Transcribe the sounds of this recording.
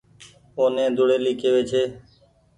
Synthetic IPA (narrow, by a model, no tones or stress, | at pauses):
oːnẽːd̪ʊɽeːliːkeːʋeːt͡ʃʰeː